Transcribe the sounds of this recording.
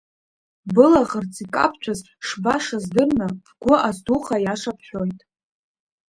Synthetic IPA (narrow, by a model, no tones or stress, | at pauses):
bɨlaʁərt͡sʰʼikʼa̰pʰt͡ʃʷʰaz | ʂbaʂazdɨrnɨvɡʷʊʔazduχajaʂapʰħʷᶣojtʼ